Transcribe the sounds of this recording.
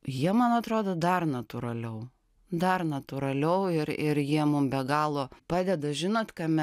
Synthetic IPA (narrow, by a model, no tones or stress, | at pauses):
jiɛmɐnɐt̪ɾoːd̪oːd̪ɐrnɐt̪ʊɾɐlʲɛʊ | d̪ɐrnɐt̪ʊɾɐlʲɛʊɪɾɪɾjiɛmʊmbʲɛɡɑːlˠoːpɑːd̪ʲɛd̪ɐʒʲɪnoːt̪kɐmʲɛ